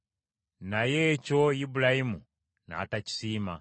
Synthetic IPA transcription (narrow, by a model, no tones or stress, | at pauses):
najɛt͡ʃɔibulahimu | na̰ːtat͡ʃi̥sima̰